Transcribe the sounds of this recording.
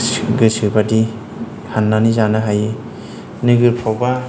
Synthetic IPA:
ɡɯsɯbadi | hanːanizanɯɦaj | nɯɡɯɾpʰawba

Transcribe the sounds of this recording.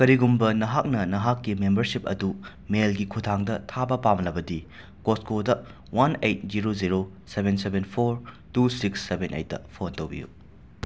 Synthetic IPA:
kɐɾiɡumbɐnɐɦak̚nɐnɐɦakːimembɐɾsip̚ɐ̰du | melɡikʰutʰaŋdɐtʰabɐpamnːɐbɐdi | koskodɐ | wanejt̚ziɾoziɾo | sebensebenpʰoɾ | tusiksːebʱenʔḛjt̚ːɐ̰pʰontowbḭjṵ

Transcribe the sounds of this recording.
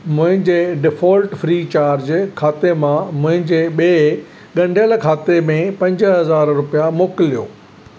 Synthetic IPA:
mʊ̃ɦɪ̃ɲd͡ʑeːɖɪfɔːlʈfɾiːt͡ɕaːɾd͡ʑkʰaːt̪emãmʊ̃ɦɪ̃ɲd͡ʑeːɓeː | ɠɐ̃ɳɖʱjəlkʰaːt̪emẽpɐ̃ɲd͡ʑɦɐzaːɾɾʊpijamoːkɪlːijoː

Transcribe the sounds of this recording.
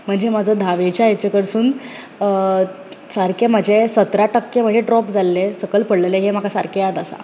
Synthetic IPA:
m̤əɳd͡zemad͡zʱɔd̪ʱaʋet͡ɕjaet͡ɕekəɾsuːn | saɾkemad͡ʑʱesət̪ɾaʈəkːem̤əd͡ʑeɖɾɔpd͡zʱalːesəkəlpəɽleleɦem̤akʰasaɾkʰejad̪asa̰

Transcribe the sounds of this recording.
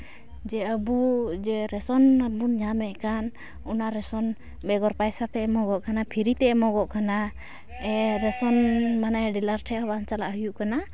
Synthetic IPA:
d͡ʒɛəbud͡ʒɛɾɛsɔnəbunɲamɛʔkan | ɔnaɾɛsɔn | bɛɡɔɾpajsat̪ɛɛmɔɡɔʔkanapʰiɾit̪ɛɛmɔɡɔʔkana | ɛɾɛsɔnmanajɖilaɾʈʰɛabant͡ʃalaʔɦujuʔkana

